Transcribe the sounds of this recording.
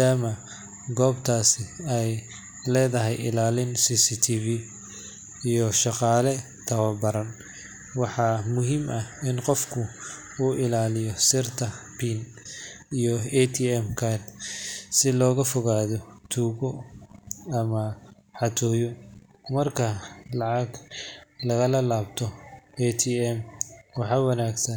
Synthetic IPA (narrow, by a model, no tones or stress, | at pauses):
aːmɐ | ɡɔːbt̪ʰaːsɪɛj | lɛːðɐɦɛjɪ̰laːlɪnsisit̪ʰivi | ijɔʃɑqɑːlɛ | t̪ʰɐwɐlbɐɾɐn | wɑħɑmʊɦimɐɪnqɔfkʰʊ | uːʔɪlaːlɪjɔsɪrt̪ʰɐpʰin | ijɔɛt̪ʰiɛmkʰard̪sɪlɔːɣɐfɔɣaːðɔt̪ʰuːɣɔ | ɐmɐ | ħɑt̪ʰɔːjɔ | mɐrkʰɐlɑʕɑɡlɐɣɐlɐlaːbt̪ʰɔɛt̪ʰiɛmwɑħɑːwɐnaːɡsɐn